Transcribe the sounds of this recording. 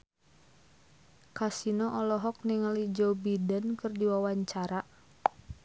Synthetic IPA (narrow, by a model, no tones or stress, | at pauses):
kasinɔʔɔlɔɦɔk̚niŋalid͡ʒɔwbidankɨrdiwawaɲt͡ʃaɾa